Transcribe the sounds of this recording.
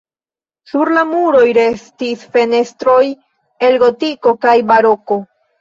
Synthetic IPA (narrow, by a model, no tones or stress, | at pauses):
suɾlamuɾo̞jɾe̞stisfe̞ne̞stɾo̞j | e̞lɡo̞tiko̞kajbaɾo̞ko̞